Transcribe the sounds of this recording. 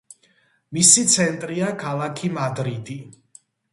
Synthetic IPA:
misit̪sʰɛnt̪ʼɾiakʰalˠakʰimad̪ɾid̪i

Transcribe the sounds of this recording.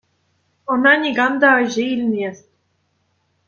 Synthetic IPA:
ɤ̆nɑnʲiɡɑmd̪ɑɤʑeilʲmʲesʲtʲ

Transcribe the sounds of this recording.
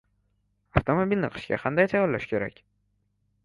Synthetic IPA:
aft̪ʰomobʲilnɪ̰qʰɨ̥ʃkʲa̰qʰɑ̰nd̪ajt̪ʰajɒɾla̰ʃkʲʰe̞ɾa̰kʲ

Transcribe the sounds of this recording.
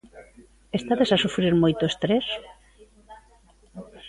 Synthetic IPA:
est̪aðesasufɾiɾmojt̪oest̪ɾes

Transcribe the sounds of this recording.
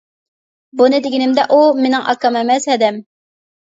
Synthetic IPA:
bunɨd̪ɪɡʲinɪmd̪ɛʔumenɪŋʔɑ̰kʰːɑmɛmɛshɛd̪ɛm

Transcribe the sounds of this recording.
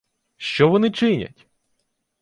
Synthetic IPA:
ʃt͡ʃɔʋɔnɪt͡ʃɪnʲɐ̰tʲ

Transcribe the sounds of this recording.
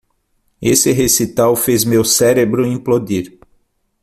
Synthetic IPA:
esɪɦesit̪awfezmewsɛɾebɾʊĩplod̪iɾ

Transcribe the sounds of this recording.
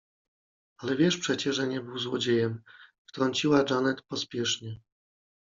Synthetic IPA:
alɛvʲjɛʂpʂɛt͡ɕɛʐɛɲɛbɘwzwɔd͡ʑejɛmft̪ɾɔɲt͡ɕiwad͡ʐanɛt̪pɔspʲjɛʂɲɛ

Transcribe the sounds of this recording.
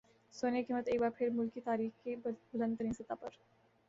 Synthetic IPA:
soːnekiːmːət̪eːk̚baːɾpʰɪɾmʊlkit̪aːɾiːxkibʊlə̃nd̪əɾĩnsɐt̪apɐɾ

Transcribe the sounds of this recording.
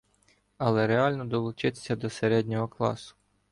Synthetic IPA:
ɐlˠɛɾeɑlʲnɔd̪ɔlˠʊt͡ʃɪt̪e̥sʲɐd̪ɔseɾɛdʲnʲɔɦɔklˠɑ̰sʊ̥

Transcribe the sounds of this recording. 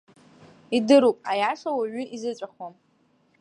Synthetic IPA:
idɨɾupʼajaʂawaɥʏʔizɨt͡sʷʼaχom

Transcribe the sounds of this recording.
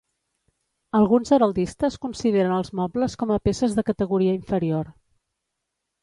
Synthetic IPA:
əlˠɣunzəɾəlˠd̪ist̪əskunsiðeɾənəlˠzmɔbləskɔməpesəzðəkət̪əɣuɾiəiɱfəɾioɾ

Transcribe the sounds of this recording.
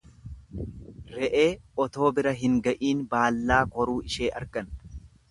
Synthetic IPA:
ɾɛʔeːɔt̪o̞ːbɪɾɐɦɪŋɡɐʔiːnbaːlːaːkɔɾuːɪʃeːʔɐ̰ɾkɐn

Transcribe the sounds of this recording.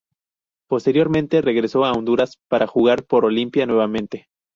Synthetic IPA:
po̞st̪e̞ɾjo̞ɾmẽ̞nt̪e̞re̞ɣɾe̞so̞aond̪uɾaspaɾʔaxuɣaɾpo̞ɾo̞limpjanwe̞βamẽnt̪e̞

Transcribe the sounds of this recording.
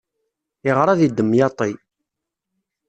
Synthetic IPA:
ɪʁɾˤaðid̪ːəmːjɑt̪ˤi

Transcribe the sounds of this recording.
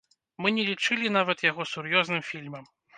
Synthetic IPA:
mɨnʲɛlʲit͡ʂɨlʲin̪avɐt̪jaɣɔsurjɔznɨmfʲilʲmɐm

